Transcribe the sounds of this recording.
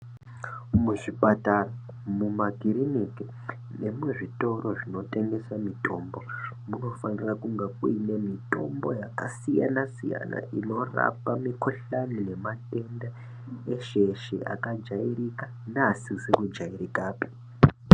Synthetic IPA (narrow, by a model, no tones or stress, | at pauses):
muʐipatara | mumaɡʱiɾiniki | ne̞muʐito̞roʐino̞tʼe̞ŋɡe̞samitʼo̞ːmbo̞ | muno̞fanirakuŋɡakuinemito̞̰mbo̞̰jaka̰sija̰nasija̰na̰ʔino̞ra̰pamikʰoɬanine̞matʼenda | eʃeʃiʔa̰kad͡ʒairika | nasizekud͡ʒairikaːpi̥